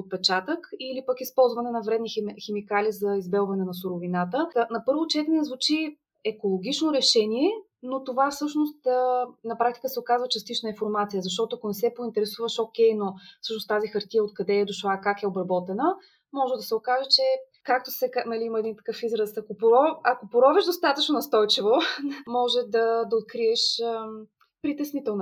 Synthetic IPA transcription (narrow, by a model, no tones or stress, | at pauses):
ot̪̚pɛt͡ʃat̪əkilipəkispɔlˠzvɐnɛnɐvɾɛd̪nixɛmikalizɐizbɛlˠvɐnɛnɐsuɾʊvinat̪ənɐpɤɾvʊt͡ʃɛt̪ɛnnɛzvut͡ʃi | ɛkolˠoɡʲit͡ʃnoɾɛʃɛniɛ | not̪ovafsɤʃnost̪ːnɐpɾak̚t̪i̥kəsɛokazvət͡ʃɐst̪it͡ʃnəĩnfoɾmat̪sijəzɐʃt̪ɔt̪oʊɐkʊnɛsɛpoint̪ɛɾɛsuvəʃokʲɛjnofsɤʃnost̪azixɐɾt̪ijəot̪̚kɐd̪ɛd̪oʃlˠakakɛobɾɐbɔt̪ɛnə | mɔʒɛd̪ɐsɛokaʒɛt͡ʃɛ | kak̚t̪osɛkanɐliiməɛd̪int̪ɐ̥kɤfizɾəsɐkopoɾɔɐkopoɾɔvɛʒd̪ost̪at̪ət͡ʃnonɐst̪ɔjt͡ʃivomɔʒɛd̪ɐd̪ɐot̪̚kɾiɛʃ | pɾit̪ɛsnit̪ɛlˠno